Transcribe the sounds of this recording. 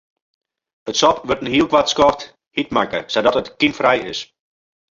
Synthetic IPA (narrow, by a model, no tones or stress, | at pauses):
ətsɔpʋətn̩hiəkʋatskɔxt | hitmakəsadɔtətkinfrɛjɪ̰s